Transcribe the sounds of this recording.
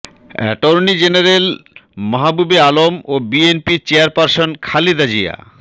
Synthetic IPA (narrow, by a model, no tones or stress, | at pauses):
ɛ̰ʈoɾnid͡ʑenaɾelmɔɦabubealomobienpit͡ɕeaɾpaɾsonkʰalid̪ad͡ʑija̰